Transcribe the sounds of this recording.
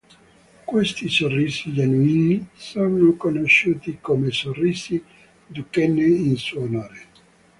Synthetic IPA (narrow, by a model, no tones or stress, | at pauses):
kwest̪isorːiːsid͡ʒanuiːnisonokonoʃːuːt̪ikomesorːiːzi | d̪ukenːeinsuonoːɾe